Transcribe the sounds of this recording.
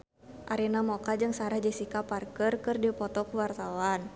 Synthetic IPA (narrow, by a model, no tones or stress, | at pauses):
ʔaɾinamɔkad͡ʒɨŋsaɾad͡ʒɛsikaparkərkɨrdipɔt̪ɔkuwart̪awan